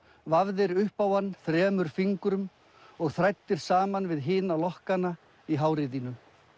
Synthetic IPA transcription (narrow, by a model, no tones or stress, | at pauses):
vavðɪɾʏhpawanːθɾɛːmʏɾ̥fiŋkɾʏm | ɔɣθɾajt̪ːɪɾ̥saːmanvɪðɦɪːnalɔhkana | iɦaːwɾɪðinʏ